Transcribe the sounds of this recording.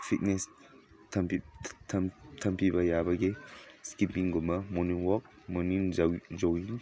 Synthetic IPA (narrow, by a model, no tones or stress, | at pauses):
pʰit̚nes | tʰɐmpitʰtʰɐmpibɐjabɐɡeskipiŋɡɔmɐmɔniŋwɔk̚ | mɔniŋd͡ʒd͡ʒowiŋ